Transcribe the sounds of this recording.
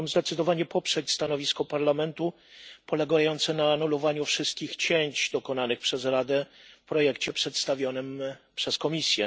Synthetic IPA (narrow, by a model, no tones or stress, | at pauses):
mzd̪ɛt̪sɘd̪ɔvaɲɛpɔpʂɛt͡ɕst̪anɔvʲiskɔpaɾlamɛnt̪u | pɔlɛɡajɔnt̪sɛnaːnulɔvaɲufʂɘst̪̚kʲixt͡ɕeɲt͡ɕd̪ɔkɔnanɘxpʂɛzɾad̪ɛfpɾɔjɛkt͡ɕɛpʂɛt̪st̪avʲjɔnɘmpʂɛskɔmʲisʲjɛ